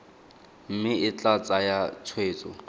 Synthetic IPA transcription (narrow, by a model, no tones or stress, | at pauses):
m̩mɪɪt͡ɬat͡sʼajat͡sʰweːt͡sʼɔ